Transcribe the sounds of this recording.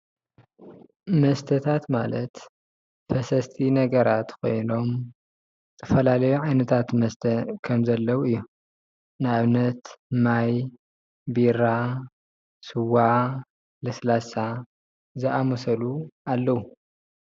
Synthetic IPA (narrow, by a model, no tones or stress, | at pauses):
mɐst̪ʰɐt̪ʰat̪malɐt̪ | fɐsɐst̪ʰinɐɡɐɾat̪kʰo̞̰jno̞m | zɨt̪ʰɐfɐlalɐjuʕajnɐt̪ʰat̪mɐst̪ʰɐkʰɐmzɐlːɐwuɨjːu | naβnɐt̪maj | bira | sɨwa | lɨslasa | zɨʔamosɐlualːɐwu